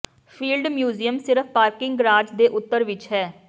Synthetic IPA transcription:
pʰiːlɖmjuːziːəmsɪɾəpʰpaːɾkɪ̃ŋɡɡɾaːd͡ʒd̪eːʔʊt̪ːəɾʋɪt͡ʃɦɛː

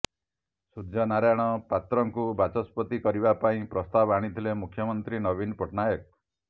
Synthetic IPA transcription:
sud͡ʒɔnaɾajɽ̃ɔpat̪ɾɔŋkubat͡ʃɔspɔt̪ikɔɾibapaĩpɾɔst̪abaɽ̃it̪ʰilemukʰːjɔmɔnt̪ɾinɔbinpɔʈnajɔk̚

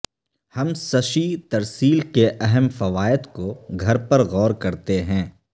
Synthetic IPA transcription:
hɐmsɐʃit̪ɐɾsiːlkeʔɛɦɛmfɐʋaːɪd̪koɡʱɐɾpɐɾɣɔːɾkɐɾt̪eɦɛ̃ː

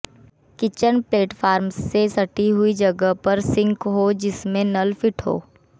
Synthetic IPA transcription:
kɪt͡ʃənpleːʈfʰaːɾmsːesɐʈiɦʊid͡ʒɐɡəɦpɐɾsɪ̃ŋkɦod͡ʒɪsmẽnɐlfɪʈɦo̰ː

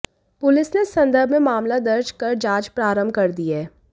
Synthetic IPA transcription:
pʊlɪsnesɐ̃nd̪əɾbʱmẽmaːmlad̪ɐɾd͡ʒkɐɾd͡ʒaːd͡ʒpɾaːɾə̃mbʱkɐɾd̪iaɦɛː

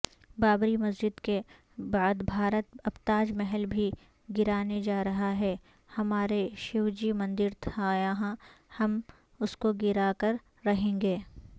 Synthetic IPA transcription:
baːbɾimɐzd͡ʒɪd̪ke | baːd̪bʱaːɾət̪̚ɐpt̪aːd͡ʒmɛɦəlbʱi | ɡɪɾaːned͡ʒaːɾɐɦaɦɛ | hɐmaːɾeʃɪʋd͡ʒimɐ̃nd̪ɪɾt̪ʰaːjaːɦãhɐm | ʊskoɡɪɾaːkəɾː | ɐɦẽːŋɡeː

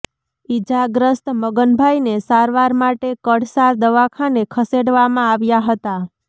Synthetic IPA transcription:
id͡ʒaɡɾəst̪məɡənbʱajnesaɾʋaɾmaʈekəɽsaɾd̪əʋakʰanekʰəseɽʋamãaʋjaɦət̪a

